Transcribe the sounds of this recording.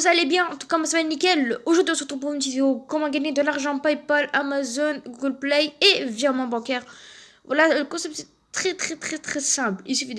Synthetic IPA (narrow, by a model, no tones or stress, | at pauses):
vuzalebjɛ̃ɑ̃t̪u̥kamasamɛlnikɛloʒuʁd̪ɥiɔ̃səʁət̪χupɔmt̪izeokɔmɑ̃ɡaɲed̪əlaʁʒɑ̃pajpalamazɔnɡuɡəlplɛjevjɛʁmɑ̃bɑ̃kɛʁ | vwalaləkɔ̃sɛp̚t̪ɛ | t̪χɛt̪χɛt̪χɛt̪χɛsɛ̃plilsyfid̪